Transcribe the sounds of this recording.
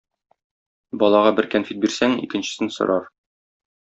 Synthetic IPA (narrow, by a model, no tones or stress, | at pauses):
bɒlˠɑʁɑbɘɾkænfit̪̚biɾsæŋḭkɘ̆nɕɘ̥̆sɘnsŏ̰ɾʔɑɾ